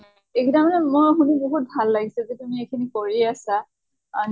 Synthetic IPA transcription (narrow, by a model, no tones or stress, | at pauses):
ekʰidamɔnɛmɔjɦuniboɦut̚bʱalːaɡisɛzɛtumiekʰinikoɹiasaː | n